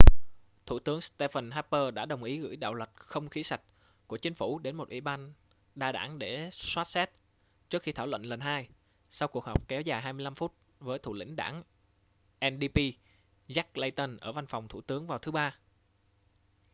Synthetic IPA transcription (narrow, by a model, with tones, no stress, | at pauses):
t̪ʰu˧˩t̪ɨ˨˦əŋst̪e˧fə˨˩nɦaː˦˥pːəː˧ɗa̰ː˧˥ɗə˨˩wŋ͡mʔi˨˦ɣɨ̰˧˥jɗa̰ː˧˨wlwə˨˩t̚xə˧wŋ͡mxi˨˦sa˨˩jk̟̚ | ku˧˩ət͡ɕï˨˦ŋfu˧˩ɗe˨˦nmo˨˩t̚ʔḭ˧˩ɓaː˧n | ɗaː˧ɗa̰ː˧˩ŋɗe˧˩swaː˦˥t̚sɛ˦˥t̚ | t͡ɕɨ˦˥ək̚xi˧t̪ʰaː˧˩wə̰˧˨nlə˨˩nɦaː˧j | sa˧wku˨˩ək̚hɔ˨˩wk͡p̚kɛ˨˦wzaː˨˩jɦaː˧jmɨ˧əla˧mfu˦˥t̚ | vəː˨˦jt̪ʰṵ˧˨lḭ˧˥ŋ̟ɗa̰ː˧˩n | ʔɛ˧nɗi˧pi˧ | za˦˥k̚le˧jt̪ə˧nʔəː˧˩va˧nfɔ˨˩wŋ͡mt̪ʰṵ˧˩t̪ɨ˨˦əŋvaː˨˩wt̪ʰɨ˨˦ɓaː˧